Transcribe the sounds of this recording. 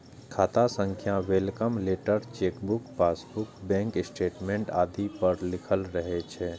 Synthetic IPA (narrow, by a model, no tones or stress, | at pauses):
kʰaːt̪asə̃ŋkʰjãwelkəmleːʈəɾt͡ʃeːkbʊkpaːsbʊkbɛ̃ːŋkɪsʈeːʈmẽɳʈaːd̪ʱipəɾlɪkʰəlɾəɦet͡ʃʰɛ